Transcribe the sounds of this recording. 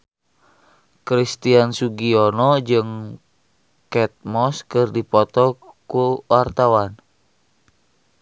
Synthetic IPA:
kɾist̪iansuɡionɔd͡ʒɨŋ | kɛt̪̚mɔskɨrdipɔt̪ɔkuwart̪awan

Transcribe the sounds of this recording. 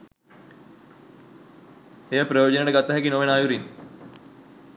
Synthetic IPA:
ejəpɾɐjoːd͡ʒəneʈəɡat̪ːaɦɛkinoʋenaːjuɾin

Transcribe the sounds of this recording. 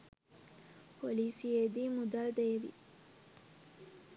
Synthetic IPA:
pʰoliːsied̪iːmud̪ald̪ɐjeʋḭ

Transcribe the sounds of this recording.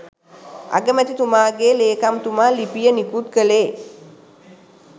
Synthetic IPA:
a̰ɡəmæt̪it̪umaːɡeːleːkamt̪umaːlipijənikut̪kəleː

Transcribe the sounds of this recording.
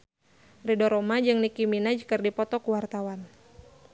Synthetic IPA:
ridɔɾɔmad͡ʒɨŋnikiminad͡ʒkərdipɔt̪ɔkuwart̪awan

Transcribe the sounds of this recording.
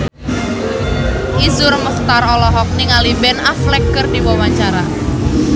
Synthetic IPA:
ʔizʊrməχt̪aɾɔlɔɦɔk̚niŋalibɛnaflɛkːərdiwawaɲt͡ʃaɾa

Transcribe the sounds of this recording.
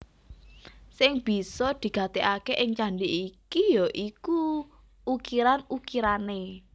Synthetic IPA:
sɪŋb̥i̤sɔd̪̥i̤ɡ̥a̤t̪eʔakeʔɪŋt͡ʃaɳɖiʔikijɔʔiku | ukiɾanukiɾane

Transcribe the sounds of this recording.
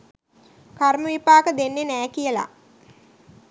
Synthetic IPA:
karməʋipaːkəd̪enːenæːkijəla̰

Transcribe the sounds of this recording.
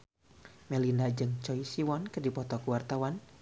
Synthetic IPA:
mɛlindad͡ʒɨŋt͡ʃɔisiwɔnkədipɔt̪ɔkuwart̪awan

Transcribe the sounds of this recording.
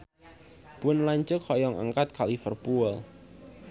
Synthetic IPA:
b̥ənlaɲt͡ʃʊkhɔjɔŋa̰ŋkat̪̚kʰalifərpuəl

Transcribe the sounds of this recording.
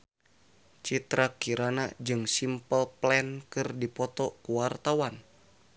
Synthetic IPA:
t͡ʃit̪ɾakiɾanad͡ʒɨŋsimpəlplɛnkɨrdipɔt̪ɔkuwart̪awan

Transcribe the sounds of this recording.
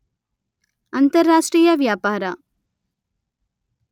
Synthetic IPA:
ɐnt̪ɐɾːaːʂʈriːjɐʋjaːpaːɾɐ

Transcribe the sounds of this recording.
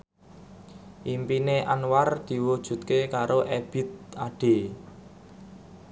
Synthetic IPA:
ʔimpineʔanward̪̥i̤wud̥ʒ̥ṳt̪̚kekaɾoʔɛb̥ɪ̤t̪̚aɖ̥e̤

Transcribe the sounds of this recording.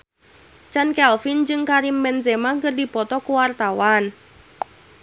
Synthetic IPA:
t͡ʃankɛlfind͡ʒɨŋkaɾimːɛnzemaŋɡərdipɔt̪ɔkuwart̪awan

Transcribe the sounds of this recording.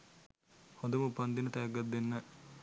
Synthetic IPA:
hod̪əmupɐnd̪inət̪ɐjɐɡːɐd̪ːenːə

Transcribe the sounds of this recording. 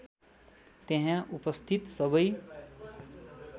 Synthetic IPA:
t̪ẽɦãʔupəst̪ʰit̪səbəj

